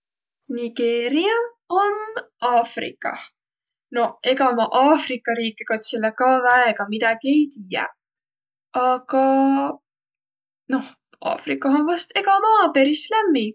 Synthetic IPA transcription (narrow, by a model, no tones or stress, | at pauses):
niɡ̥e̞ːɾiɑ | o̞n | ɑːfrḭkːˑɑ̰ | no̞he̞ɡɑmɑʔɑːfrikːˑɑɾiːkːˑikot̪silːekɑːvæeɡ̥ɑmid̪̥ɑɡ̥ie̞jt̪iːjɛ̰ | ɑɡ̥ɑ | no̞h | ɑ̰ːfrikːˑɑsonvɑst̪e̞ɡɑmɑːpe̞ɾislæmːi